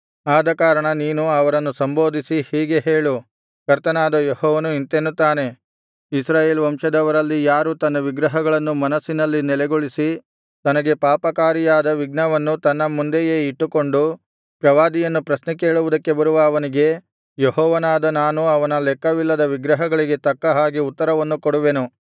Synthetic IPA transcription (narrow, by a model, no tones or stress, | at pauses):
aːd̪ɐkaːɾɐɳɐniːnuɐʋɐɾɐnːusɐmbo̞ːd̪isihiːɡe̞ɦeːɭu | kɐɾt̪ɐnaːd̪ɐjehɔːʋɐnuint̪enːut̪ːaːne̞ | isɾaːje̞ːlʋɐmʂɐd̪ɐʋɐɾɐlːijaːɾut̪ɐnːɐʋiɡɾɐɦɐɡɐɭɐnːumɐnɐsːinɐlːinɛlɛɡoɭisi | t̪ɐnɐɡe̞paːpɐkaːɾijaːd̪ɐʋiɡɳɐʋɐnːut̪ɐnːɐmund̪ejeːiʈːuko̞ɳɖu | pɾɐʋaːd̪ijɐnːupɾɐsnɐke̞ːɭuʋud̪ɐkːe̞bɐɾuʋɐːʋɐniɡe̞ | jehɔːʋɐnaːd̪ɐnaːnuɐʋɐnɐlɛkːɐʋilːɐd̪ɐʋiɡɾɐɦɐɡɐɭiɡe̞t̪ɐkːɐɦaːɡiut̪ːɐɾɐʋɐnːukoɽuʋe̞nu